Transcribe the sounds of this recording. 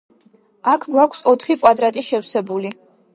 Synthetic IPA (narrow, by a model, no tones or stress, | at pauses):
akʰɡwakʰsɔt̪ʰχikʼwad̪ɾat̪ʼiʃɛwsɛbuli